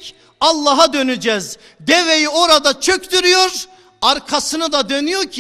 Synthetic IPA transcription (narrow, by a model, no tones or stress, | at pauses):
ɑlˠːaɦad̪ønyd͡ʒɛz | d̪evejio̞ɾad̪at͡ʃʰøcd̪yɾyjo̞ɾ | aɾkʰasɯnɯd̪ad̪ønyjoɾcʰi